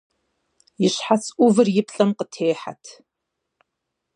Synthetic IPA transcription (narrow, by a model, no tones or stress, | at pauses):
ɪʃħat͡sʰʼʷuvɨrjɪpʰɬʼɐmqətʰeːħa̰tʰ